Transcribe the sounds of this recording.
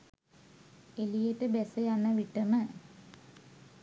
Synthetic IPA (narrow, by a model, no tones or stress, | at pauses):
elijeʈəbesəjanːəʋiʈːəmə